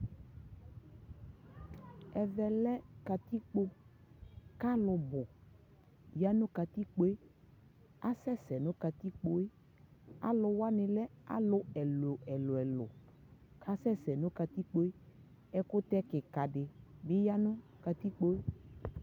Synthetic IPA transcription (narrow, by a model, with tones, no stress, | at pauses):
ɛ˨vɛ˨lɛ˦ka˨t̪i˦k͡po˦ | ka˦lʊ˨bʊ˨ | ja˦nʊ̃˦ka˨t̪i˦k͡po˦e˦ | a˦sɛ˦sɛ˨nʊ̃˦ka˨t̪i˦k͡po˨e˦ | a̰˦lʊ˨wa˦nɪ̃˨lɛ˦a̰˦lʊ˦ɛ˨lʊ˨ɛ˨lʊ˨ɛ˨lʊ̰˨ | kʰa˦sɛ˦sɛ˨nʊ̃˦ka˨t̪i˦k͡po˦e˦ | ɛ˦kʊ˦t̪ɛ˦kɪ˨ka˨dɪ˨bɪ˦ja˦nʊ̃˦ka˨t̪i˦k͡po˦e˦